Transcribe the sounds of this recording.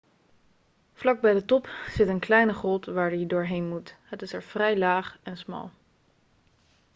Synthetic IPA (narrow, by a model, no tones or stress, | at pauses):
vlɑɡ̚bɛjdətɔpz̥ɪtənklɛjnəχɔlˠtʋaːɹdidʊːɹɦejnmutɦətɪsɛɹv̥rɛjlaːχɛnsmɑ̰lˠ